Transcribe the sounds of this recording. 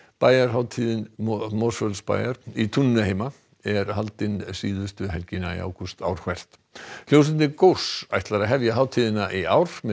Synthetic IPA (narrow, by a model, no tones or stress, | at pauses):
paːjaɾɦaːwt̪ʰiðɪnmosfœlspa̰ːjaɾ̥it̪ʰunɪnʏheːjma | ɛɾɦalt̪ɪnsiːðʏst̪ʏɦɛlcɪnaḭa̰wkust̪a̰wɾ̥kʰvɛr̥t̪ | l̥jows̬ʏnt̪ɪkowsajht̪laɾaɦɛvjaɦaːwt̪ʰiðɪnaʔiaːwɾ̥mɛ